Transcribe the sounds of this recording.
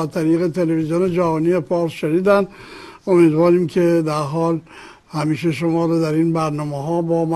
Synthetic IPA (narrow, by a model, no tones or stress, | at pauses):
zt̪ʰæɾiːɣe̞t̪ʰe̞levizijoned͡ʒævɒːniːefɒːɾsʃeniːd̪ænd̪ʔomiːd̪vɒːɾiːmkʰed̪æɾɦɒːl | hæmiːʃeʃomɒːɾod̪æɾiːnbæɾnɒːmeɦɒːbɒːm